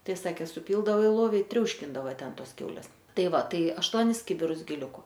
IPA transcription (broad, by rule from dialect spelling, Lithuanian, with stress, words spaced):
ˈtɐɪ ˈsɑːkʲeː sʊˈpʲiːlˠdɐʋoː ɪ ˈlˠoːʋʲɪ ɪ ˈtʲrʲɛʊʃʲkʲɪndɐʋɐ ˈtʲɛn ˈtoːs ˈkʲɛʊlʲeːs ˈtɐɪ ˈʋɐ ˈtɐɪ ɐʃˈtuɔnʲɪs ˈkʲɪbʲɪrʊs ɡʲɪˈlʲʊkʊ